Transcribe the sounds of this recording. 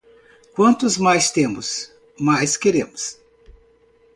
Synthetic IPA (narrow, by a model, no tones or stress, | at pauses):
kwɐ̃nt̪ʊzmajst̪ẽmʊs | majskeɾẽmʊs